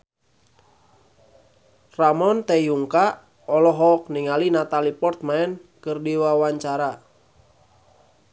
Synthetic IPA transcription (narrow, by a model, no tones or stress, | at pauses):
ramɔnt̪ɛjuŋka | ɔlɔɦɔk̚niŋalinat̪alipɔrt̪̚maɛnkɨrdiwawaɲt͡ʃaɾa